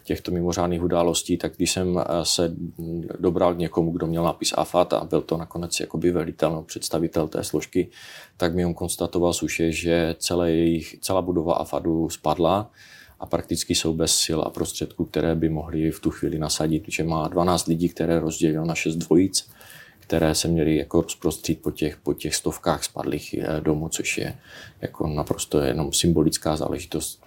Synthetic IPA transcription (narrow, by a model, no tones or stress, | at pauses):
cɛxt̪o̞mɪmor̝aːdniːxudaːlo̞sciːt̪aɡɡdɪʃsɛmsɛ | dobɾalɡɲɛkomuɡdomɲɛlnapɪsa̰fat̪a̰bɪlt̪onakonɛt͡sja̰kobɪvɛlɪt̪ɛlnopr̝̥ɛt̪st̪avɪt̪ɛlt̪ɛ̰ːslo̞ʃkɪt̪aɡmɪjomko̞nst̪at̪ovalsuʃɛʒɛt͡sɛlɛjɛjɪxt͡sɛlaːbudova̰ʔa̰fa̰duspadla | ʔapɾak̚t̪ɪt͡skɪso̞wbɛsːɪla̰pɾost̪r̥ɛt̪kuk̚t̪ɛɾʔɛːbɪmo̞ɦlɪft̪uxv̥iːlɪnasaɟɪt̪ʒ̥ɛmaːdvanaːt͡st̪lɪɟiːk̚t̪ɛɾɛːɾo̞zɟɛlɪlonaʃɛzdvo̞jɪt͡s | kt̪ɛɾɛːsɛmɲɛlɪjakoɾospɾost̪r̥iːt̪̚pocɛxpo̞cɛxst̪o̞fkaːxspa̰dlḭːxdo̞mut͡so̞ʃjɛ̰ja̰kʰo̞̰napɾost̪ojɛ̰no̞msɪmbo̞lɪt͡skaːza̰ːlɛ̰ʒɪt̪o̞st̪